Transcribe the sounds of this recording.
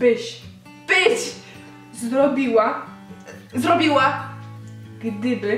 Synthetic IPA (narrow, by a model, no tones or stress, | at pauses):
bɘɕ | b̥ɘt͡ɕ | zɾɔbʲiwa | zɾɔbʲiwa | ɡ̥d̪ɘbɘ